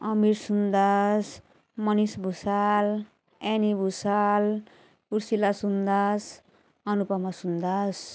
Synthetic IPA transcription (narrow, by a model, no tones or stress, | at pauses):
ʌmiɾsund̪as | mʌnisbʱusal | enibʱusal | uɾsilasund̪as | ʌnupamasund̪as